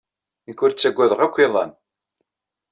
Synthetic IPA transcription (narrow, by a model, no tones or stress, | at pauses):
əkːʊɾt͡sːæɡʷːæðəʁækʷːiðˤɑ̰n